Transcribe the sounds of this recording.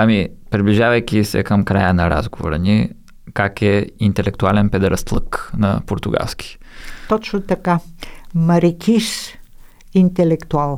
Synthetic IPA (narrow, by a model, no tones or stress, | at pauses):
ɐmipɾibliʒavɐjk̟ʲisɛ̰kəmkɾajənɐɾa̰zɡovo̰ɾɐ̰ni | kakɛint̪ɛlɛkt̪ualɛnpɛd̪ɾɐst̪lˠə̰knɐ̰poɾt̪ʊɡa̰lˠskʲi̥t̪ɔt͡ʃnʊt̪ɐkamɐɾikʲiʃ | int̪ɛlɛkt̪ualˠ